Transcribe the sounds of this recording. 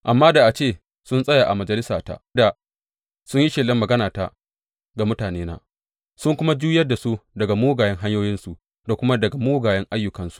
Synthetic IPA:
ʔa˨mːaː˦da˨ʔa˨t͡ʃeː˦˨ | sʊ˦nsʼɐ˦jaː˨ʔa̰˨mɐ˨d͡ʒɐ˨lɪ˦saː˨ta̰˦˨da˨ | sʊ˦ɲji˦ʃɪ˨lɐ˦mːɐ˨ɡɐ˦naː˨ta̰˦ | ɡa˨mʊ˦taː˨neː˦na̰ː˦ | sʊ˦ŋkʷʊ˦ma˦d͡ʒuː˦jɐ˦da˨su˦dɐ˨ɡa˨moː˦ɡaː˨jɐ˦ŋɦa˦ɲjoː˦jɪ˦nsu˨ʔ | da˨kʷʊ˦ma˦dɐ˨ɡa˨moː˦ɡaː˨jɐ˦ŋʔa˦jːʊ˨kɐ˦nsu̥˦

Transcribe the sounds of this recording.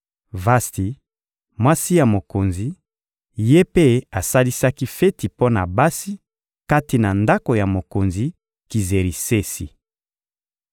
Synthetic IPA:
va˦sti˨ | mwa˦si˦ja˨mo˨ko˨nzi˨ | je˦pe˦a˨sa˦li˦sa˦ki˦fe˦ti˨po˦na˨ba˦si˦ | ka˦ti˨na˨nda˦ko˨ja˨mo˨ko˨nzi˨ | ki˨ze˨ɾi˨se˦sḭ˨

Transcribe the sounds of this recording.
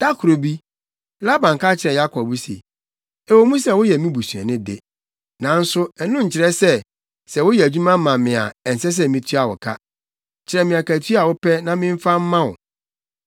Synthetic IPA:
d̥a˦kʰʊ˨ɾo˨bi˦ | la˦bã˨ŋ˨ka˦t͡ɕʰɪ˨ɾɛ̃˨ja˦kʰɔ˨bu˦sḭ˨ | e˨wo˦mũ˦sɛ˦wʊ˦jɛ˨mĩ˦bu˨su˨ɛ̰˨nɪ̃˦dɪ̰˦˨ | nã˨n̩˦sʊ˦ɛ˨nʊ̃˦ɲ̩˨t͡ɕʰɪ˨ɾɛ˦sɛ˦ | sɛ˨wʊ˦jɛ˨æ˨d͡ʑᶣu˦mã˦mã˨mɪ̃˨a̰˨ɛ˨n̩˨sɛ˦s̬ɛ˦mĩ˨tʰɥa˨wɔ̰˨kʰa˦˨ | t͡ɕʰɪ˨ɾɛ̃˨mɪ̃˨a˨kæ˨tʰi˦a˨wʊ˦pʰɛ˦nã˦mɪ̃˦ɱ̩˦fa˦m̩˦mã˦wʊ̰˨

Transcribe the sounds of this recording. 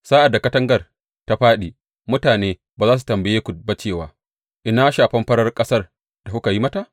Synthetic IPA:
saː˦ʔa˨dːa˨kɐ˦tɐ˦ŋɡɐ˨r | ta˦ɸaː˦ɗiː˨ | mʊ˦taː˨neː˦baː˨zaː˦s̬u̥˨tɐ˨mbɐ˨jeː˦kʷu˨ba˦t͡ʃeː˦˨waː˦ | ʔɪ˨na˦ʃaː˨ɸɐ˦mɸɐ˦ɽɐ˦rkʼɐ˦sɐ˦r | d̥a˨kʊ˦ka˨ji˦mɐ˦ta˨ʔ

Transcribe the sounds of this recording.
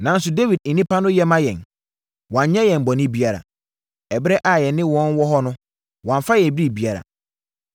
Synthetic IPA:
nã˨n˦sʊ˨de˦wi˨d̩̚˨nĩ˦pa˦nʊ̃˦jɛ˦mã˦jɛ̃˨n | wã˨ɲ˦ɲɛ̃˦jɛ̃˨n˨bɔ˨nɪ̃˦bi˦a˨ɾa̰˨ | ɛ˨bɪ˦ɾɛ˦ʔa˨jɛ˨nː˦ɪ̃˦wɔ̃˦nwɔ˦ɦɔ˦nʊ̃˦ | wã˨ɱ˨fa˦jɛ̃˨bi˦ɾi˦˨bi˦a˦ɾa̰˨

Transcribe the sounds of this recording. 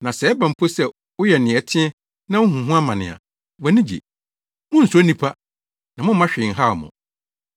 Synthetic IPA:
nã˨sɛː˨˦bã˨m̩˨pʰo˦sɛ˦˨ | wʊ˦jɛ˨nɪ̃˨ɛ˨tʰɪ̃˦ɛ˦ | nã˦ʊ̃˦ɦũ˨ɦũ˦a˦mã˨nɪ̃˨a̰˨ | wɛ˨nɪ̃˦d͡ʑḭ˨ | mʊ̃˦n̩˨sʊ˨˦a˦nĩ˦pʰa˦ | nã˨mʊ̃˦m˦mã˦ɕᶣɪ˨ŋ̩˨ɦa˦˨mʊ̰̃˨

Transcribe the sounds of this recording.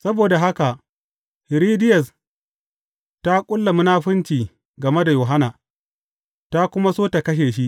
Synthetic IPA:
sɐ˦boː˨da˨ɦa˦ka˨ʔ | hɪ˨ɾiː˦dɪ˦jɐ˨s | ta˦kʷʼʊ˦lːɐ˨mi˦naː˦ɸɪ˦nt͡ʃiː˨ | ɡɐ˨me˦da˨joː˨ɦa˦na˨ | ta˦kʷʊ˦ma˦soː˦ta˨kɐ˦ʃ̬eː˨ʃi˦ʔ

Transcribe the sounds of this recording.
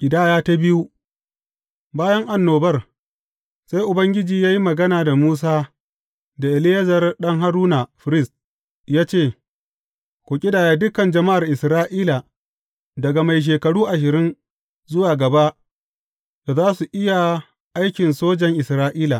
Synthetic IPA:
ʔʲɪ˨daː˦jaː˦ta˦bɪ˦ju˦ | baː˦jɐ˦ŋʔa˨nːoː˨bɐ˦r | sa˦jʔʊ˨bɐ˦ŋɡʲɪ˦d͡ʒiː˨jaː˦ji˦mɐ˨ɡɐ˦naː˨da˨muː˦s̬aː˦ | da˨ʔɪ˨lɪ˦jɐ˦zɐ˨rɗɐ˦ŋɦa˦ɾuː˦na˨ɸɪ˨ɾɪ˦˨st̚ | jaː˦t͡ʃeː˦˨ | kʷoː˨kʲʼɪ˦daː˨jaː˦dʊ˦kɐ˨nd͡ʒɐ˨ma˦ʔa˨rʔɪ˨sɾaː˦ʔiː˦la˨ | dɐ˨ɡa˨ma˨jʃ̬eː˨kɐ˨ɽuː˦ʔa˨ʃ̬ɪ˨ɾɪ˦n | zʊ˦waː˨ɡɐ˨ba˦ʔ | da˨zaː˦su˨ʔɪ˦ja˨ | ʔa˦jkʲɪ˨nsoː˦d͡ʒɛ˨ŋʔɪ˨sɾaː˦ʔiː˦la˨

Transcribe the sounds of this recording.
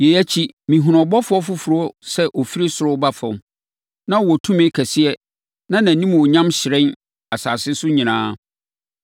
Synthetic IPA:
je˨æ˦t͡ɕʰi˦mĩ˨ɦʊ̃˨nɔ̃˨bɔ˦fʊ˨˦ɔ˦fʊ˦fʊ˨ɾʊ˦sɛ˦ʔɔ˨fi˦ɾi˦sʊ˨ɾʊ˦ba˦fɔ̃˨m | nã˦wɔ˨tʰũ˦mɪ̃˦kʰæ˨sɪ˦ɛ˦ | nã˦nã˨nĩ˦m̃˨ɔ˨ɲã˦mɕɪ˨ɾɛ̃˦n | a˨saː˨sɪ˦sʊ˦ɲĩ˨nãː˦

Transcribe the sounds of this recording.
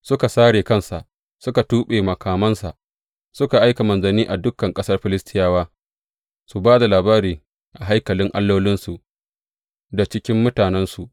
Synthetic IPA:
sʊ˦ka˨saː˦ɽeː˨kɐ˦nsa̰˨ʔ | sʊ˦ka˨tuː˦ɓeː˨mɐ˨kʰaː˨mɐ˦nsa̰˨ʔ | sʊ˦ka˨ʔa˦jka˨mɐ˨nzɐ˨niː˦ʔa˨dʊ˦kːɐ˨ŋkʼɐ˦sɐ˦rɸɪ˨lɪ˦stʰɪ˦jaː˦waː˦ | su˨baː˦da˨laː˨baː˦ɾiː˨ | ʔa˨ɦa˦jkɐ˨lɪ˦ŋʔa̰˦lːoː˦lɪ˦nsu˨ʔ | da˨t͡ʃɪ˦kʲɪ˦mːʊ˦taː˨nɛ˦nsu˨ʔ

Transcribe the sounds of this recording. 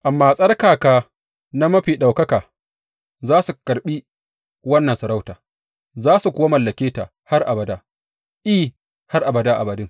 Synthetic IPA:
ʔa˨mːaː˦sʼɐ˦rkaː˨kaː˨ | na˦mɐ˦ɸiː˨ɗa˨wkɐ˦kaː˨ | zaː˦su˨kɐ˨ɾɓi˦ | wɐ˦nːɐ˨nsɐ˨ɾa˦wtaː˨ | zaː˦su˨kʷʊ˦wa˦mɐ˨lːɐ˨kʲeː˦taː˨ | ha˦rʔa˨bɐ˨daː˦ | ʔiː˦ | ha˦rʔa˨bɐ˨daː˦ʔa˨bɐ˨dɪ˦ŋ

